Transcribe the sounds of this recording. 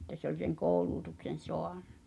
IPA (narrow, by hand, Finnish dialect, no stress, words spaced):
ĕtːæ se olʲ seŋ koːuluːtuksen̞ soɑn̥ːɑ̥̆